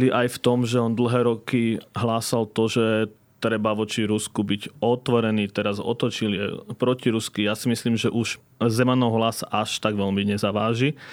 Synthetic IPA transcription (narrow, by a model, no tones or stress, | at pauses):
liʔajft̪ɔmʒɛɔnd̪l̩ɦɛːɾɔkiɦlaːsalt̪ɔʒɛ | t̪ɾɛbaʋɔt͡ʃiɾuskubiɟɔt̪ʋɔɾɛniːt̪ɛɾazɔ̰t̪ɔt͡ʃilɪɛ̰pɾɔciɾuskijasimisliːmʒɛʔuʒ | zɛmanɔɦlasʔaʃt̪aɡʋɛlmiɲɛzaʋaːʒi